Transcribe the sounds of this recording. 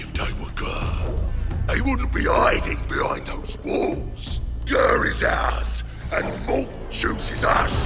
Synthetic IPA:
ɪfðeɪwə˞ɡɜ˞ | ðeɪwʊdⁿn̩b̥iaɪɾɪ̃ŋbɪhãɪ̃nðoʊzwɔlˠz̥ɡ̥ɜ˞ɹɪzaʊz | ɨ̃nmɔlˠk̚ | t͡ʃʰʉzɪzʌs

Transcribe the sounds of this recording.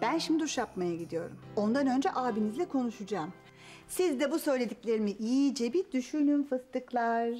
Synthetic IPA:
b̥ænʃimd̪iuʃjapmajaɟid̪ijo̞̰ɾumo̞nd̪anø̞nd͡ʒɛʔaːbinizlʲɛkʰo̞nuʃud͡ʒaːm | sizd̪ɛbusø̞jlʲe̞d̪icʲlʲe̞ɾimiʔijid͡ʒebid̪yʃynynfɯst̪ɯklˠaɾ̥

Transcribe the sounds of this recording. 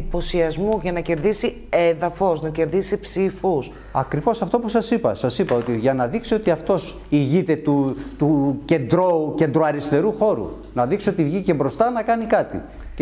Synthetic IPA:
ipo̞siɐzmuʝɐnɐce̞ɾðisi | eðɐfo̞snɐce̞ɾðisipsifus | ɐkɾivo̞sɐft̪o̞pusɐsipɐ̰sɐsipɐo̞t̪iʝɐnɐðiksiot̪iɐft̪o̞s | iʝit̪e̞t̪ut̪uce̞nd̪ɾo̞ce̞nd̪ɾoɐɾist̪e̞ɾuxo̞ɾṵ | nɐðiksiot̪ivʝice̞bɾo̞st̪ɐnɐkɐnikɐt̪ḭ

